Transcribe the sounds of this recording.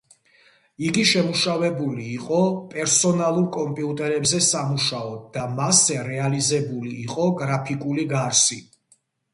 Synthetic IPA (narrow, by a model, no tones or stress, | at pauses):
iɡiʃɛmuʃavɛbuliːqʼɔpʼɛɾsɔnalˠuɾkʼɔmpʼiut̪ʼɛɾɛbzɛsamuʃaɔd̪d̪amasɛɾɛalizɛbuliːqʼɔɡɾapʰikʼuliɡaɾsi